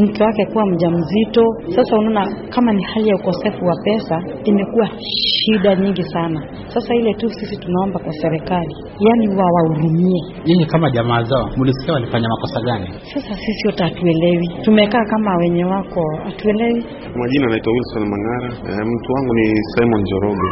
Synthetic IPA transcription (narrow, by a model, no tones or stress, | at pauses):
m̩kɛwakɛkuwam̩ʄam̩zitɔsasahunaɔnakamanihalijaukɔsɛfuwapɛsaimɛkuwa | ʃʃiɗaɲiŋɡisana | sasailɛtusisitunaɔmbakwasɛɾɛkali | janiwawauɾumiɛ | ɲɛŋɡikamaʄamaːzaɔmuliskiawalifaɲamakɔsaɠani | sasasisijɔtɛatuɛlɛwitumɛkaːkamawɛɲɛwakɔatuɛlɛwi | wamaʄinanaitwawilsɔnmaŋaɾam̩tuwaŋɡunisajmɔnd͡ʒɔɾɔɡɛ